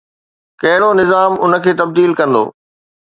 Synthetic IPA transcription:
kɐɦɪɽonɪzaːmʊnə̆kʰeːt̪ɐb̚d̪iːlkɐ̃nd̪o̰ː

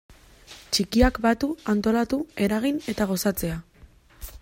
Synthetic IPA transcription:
t͡ʃikiakbat̪uant̪o̞lat̪ue̞ɾaɣ̞ine̞t̪aɣ̞o̞sat͡se̞a

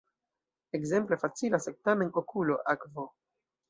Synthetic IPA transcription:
ekze̞mple̞fat͡silasek̚tame̞nokʰulo̞ʔakvo̞

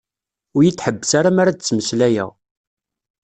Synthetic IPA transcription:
ʊɾjit͡sːħəbːəsaɾamaɾad̪ət͡sːməslæjæ̰ʁ

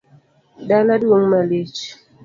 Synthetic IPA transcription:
daladwoŋmalet͡ʃ

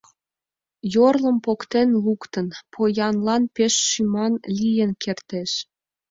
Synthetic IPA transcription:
jorlə̆mpokt̪enlukt̪ənpʰojɑnlɑnpeʃːymɑnlijənkʰert̪eʃ

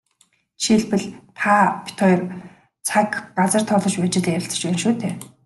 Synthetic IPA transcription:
ʃiɮpɘ̆ɮt̪ʰaːpʰi̥t̪ʰɔjr | t͡sʰakɢat͡sə̆r̥t̪ʰɔɮɞ̆t͡ɕpæːt͡ɕɪ̆ɮiæɾʲɪ̆t͡sə̥̆t͡ɕpæːnʃuːt̪ʰeː

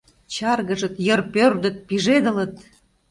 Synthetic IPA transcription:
t͡ɕɑrɣəʒə̆t̪jərpørd̪ə̆t̪̚piʒed̪ə̆lət̪

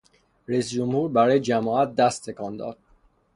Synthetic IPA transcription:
ɾæiːsd͡ʒomhuːɾbæɾɒːjed͡ʒæmɒːæt̪̚d̪æst̪ʰːe̞kʰɒːnd̪ɒ̰ːd̪̥

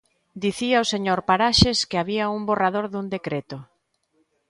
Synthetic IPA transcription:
d̪iθiaoseɲoɾpaɾaʃeskeaβ̞iaumboraðoɾðund̪ekɾet̪o

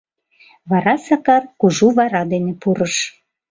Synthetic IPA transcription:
βɑɾɑsɑkɑrkuʒuβɑɾɑd̪enĕpuɾəʃ

